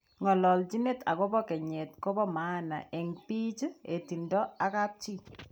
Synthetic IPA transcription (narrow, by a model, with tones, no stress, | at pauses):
ŋɔ˨lɔ˨ld͡ʒi˦ne˦ta̰˨kɔ˦bɔ˦kɛ˨ɲe˨t̚ko˦bɔ˦ma˦na̰˨ʔe˨ŋpi˦t͡ʃe˨ti˨ndɔ˦a˦ka˦p̚t͡ʃi˦